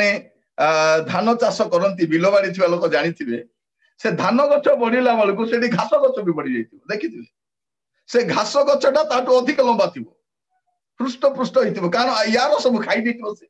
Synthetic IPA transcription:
ɽ̃e | d̪ʱanɔt͡ʃasɔkɔɾɔnt̪ibilɔbaɽit̪ʰibalokɔd͡ʒaɽ̃it̪ʰibe | sed̪ʱanɔɡɔt͡ʃʰɔbɔɽ̃ilabaɭuk̬useʈiɡʱasɔɡɔt͡ʃʰɔbibɔɽid͡ʒajt̪ʰibɔd̪ekʰit̪ʰibe | seɡʱasɔɡɔt͡ʃʰɔʈat̪aʈuɔd̪ʱikɔlɔmbat̪ʰibɔ | pɾusʈɔpɾusʈɔɦit̪ʰibɔkaɽ̃ɔjaɾɔsɔbukʰajd̪et̪ʰibɔsʰi̥

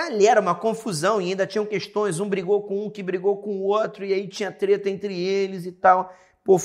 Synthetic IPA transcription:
alɛɾɐũmɐkõfuzɐ̃w̃iaĩnd̪ɐt͡ʃĩɲɐ̃w̃kest̪õj̃zũbɾiɡokõũkɪbɾiɡowkõʊot̪ɾʊiait͡ʃĩɲɐt̪ɾet̪ɐẽnt̪ɾɪelɪzɪt̪aw | po

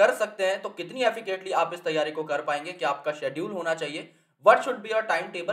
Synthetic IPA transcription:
ɐɾsɐk̚t̪eɦɛ̃t̪okɪt̪niɛfɪkəʈliaːpɪst̪ɐjːaːɾikokɐɾpaːẽːŋɡekiaːp̚kaʃɛːɖjuːlɦoːnat͡ʃaːɦieː | ʋɐʈʃʊɖbʱiɔːɾʈaːɪmʈeːbə

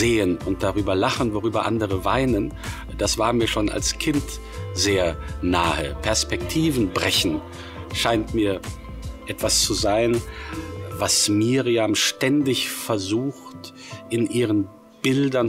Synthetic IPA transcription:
zeːənʊnt̚d̥aʁyːbɐlaχənvoʁyːbɐʔa̰ndəʁəvaɪnən | d̥asv̥aːɐmiːɐʃoːna̰lskʰɪnt | z̥eːɐnaːhəpʰɛɐspɛktʰiːvn̩bʁɛçn̩ | ʃaɪntmiːɐ | ʔɛtv̥ast͡suzaɪn | vasmiːʁiamʃtɛndɪçfɛɐzuːxt | ʔɪnʔiːʁən | b̥ɪldɐn

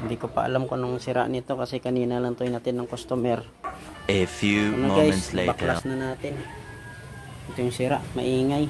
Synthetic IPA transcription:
hnd̪ikopa̰ʔa̰lamkonoŋsiɾa̰ʔnit̪okasɛkaninalant̪ojnat̪ɪnːaŋkost̪omɛr | əfjunamoɡajɛnslebakllasnanaːt̪ɪn | t̪ojuŋsiɾaʔma̰ʔiːŋaj

